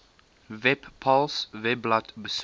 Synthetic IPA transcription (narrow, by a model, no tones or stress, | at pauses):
vɛbpʰɔlsvɛblatbəs